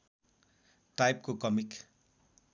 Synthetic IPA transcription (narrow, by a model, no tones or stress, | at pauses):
ʈajp̚kokɔmik